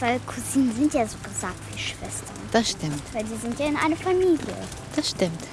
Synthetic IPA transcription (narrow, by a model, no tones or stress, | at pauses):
vaɪlkʰuziːnən̩zɪntjaːzoɡ̥azaːk̚tv̥əʃv̥ɛstʰɐd̥asʃtɪmtvaɪlziːzɪntjaːɪnʔa̰ɪnɐfamiːljə̰ | d̥asʃtɪmt